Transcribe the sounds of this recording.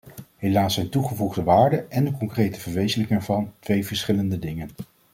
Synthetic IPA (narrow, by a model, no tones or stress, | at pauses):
ɦejlaːsːɛjntuχəvuχdəʋaːɹdəɛndəkɔŋkrejtəvəɹʋejzələkɪŋɛːɹvɑntʋejvəɹsχɪləndədɪŋən